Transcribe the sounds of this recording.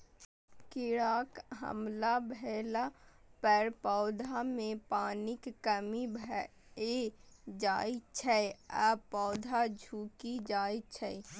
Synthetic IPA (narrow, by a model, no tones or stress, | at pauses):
kɪɽaːkɦə̰mlabʱɛlapɛɾpɔʊd̪ʱamẽpaːnɪkːəmibʱ | ed͡ʒaːit͡ʃʰɛəpɔʊd̪ʱad͡ʒʱuːkid͡ʒaːit͡ʃʰɛ